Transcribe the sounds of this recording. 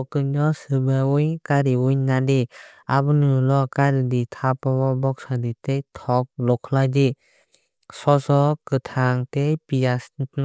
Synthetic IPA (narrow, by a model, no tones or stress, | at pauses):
ɔkɯɲɔsɯbaujkaɾiujnadeabɯnɯlɔkaɾiditʰapɔbɔbɔk̚saditejtʰɔk̚lɔkʰlajdi | sɔsɔkɯtʰaŋtejpijas